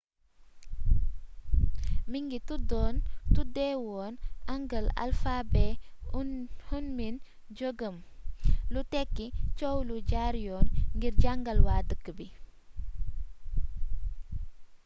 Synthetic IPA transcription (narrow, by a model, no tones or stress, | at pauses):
miŋɡitudɔːntudɛwɔːnaŋɡəla̰lfabɛ | hunmin | d͡ʒoɡəmlutɛkːit͡ʃowluɟaɾjɔːnŋɡiɾɟaŋɡɐlwadəkːəbi